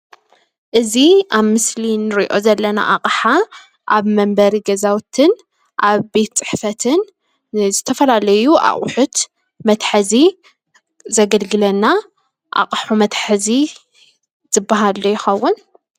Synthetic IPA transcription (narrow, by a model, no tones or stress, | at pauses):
ʔɨziaβmɨslinɨɾḭʔo̞zɐlːɐna̰ʔa̰qʼħa | ʔaβmɐmbɐɾiɡɐzawt̪ʰɨn | ʔaβbe̞t̪t͡sʼɨ̥ħfɐt̪ʰɨn | zɨt̪ʰɐfɐlalɐjuʔa̰χʼħʊt̪ | mɐt̪ħɨzi | zɐɡɐlɡɨlɐnːa | ʔa̰qʼħumɐt̪ħɨzi | zɨbːaɦalːojɪxɐwːʊn